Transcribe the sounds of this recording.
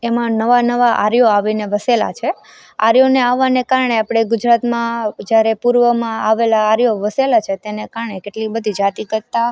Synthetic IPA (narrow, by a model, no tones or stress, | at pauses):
emãnəʋanəʋaʔa̰ɾjoaʋineʋəsela̰t͡ʃʰe | a̰ɾjoneaʋːanekaɾɳeapɽ̃eɡʊd͡ʒɾat̪mãd͡ʒjaɾepuɾʋəmãaʋelaːɾjoʋəselat͡ʃʰet̪enekaɾɳekeʈlibəd̪ʱid͡ʒat̪ikəɾt̪a